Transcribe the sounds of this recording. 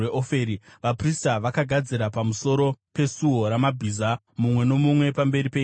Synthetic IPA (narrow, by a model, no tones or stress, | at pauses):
eʔofe̞ɾiʋapristaʋakaɡʱad͡ziɾapamuso̞ɾo̞pe̞suɦo̞ɾamabʱiza | mumwe̞no̞mumwe̞pambe̞ɾipei